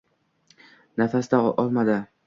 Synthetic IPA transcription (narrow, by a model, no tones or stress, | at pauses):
nafasd̪aʔɒlˠmad̪ɪ